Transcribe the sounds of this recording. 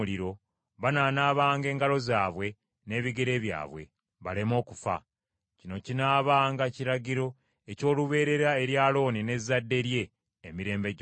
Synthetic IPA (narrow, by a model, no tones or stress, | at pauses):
liɾo̞ | βanaːnaːβaːŋɡe̞ːŋɡalo̞zaːβwe̞ | ne̞ːβiɡe̞ɾe̞ːβja̰ːβwe̞̰ | βalemo̞ːkufa̰ | cino̞cinaːβaːŋɡaciɾaɟiɾo̞ | eco̞ːluβe̞ːɾe̞ɾae̞ɾjaːlo̞ːnine̞zːadːe̞ɾje̞ː | miɾe̞ːmbeɟ